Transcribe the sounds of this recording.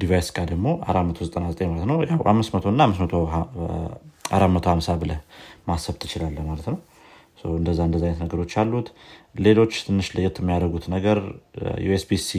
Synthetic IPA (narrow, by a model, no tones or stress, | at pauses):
d̪ivajskʼad̪əɡmo̞ʔa̰ɾamət̪ʰo̞zət̪ʼənazət̪ʼeɲmalət̪nəwja̰wha̰mːɨsmət̪ʰo̞ɨnːaamːɨsmət̪ʰo | ʔa̰ɾamət̪ʰo̞hamsabɨləhmasəβt̪ʰɨt͡ʃɪlalːəhmalət̪nəw | səwɨnd̪əzːaɨnd̪əzːajnːət̪nəɡəɾo̞t͡ʃːalːut̪le̞lo̞t͡ʃːt̪ʰɨnːɨʃlɨjːɛt̪ʰːɛmːijad̪əɡut̪nəɡəɾjṵesbisi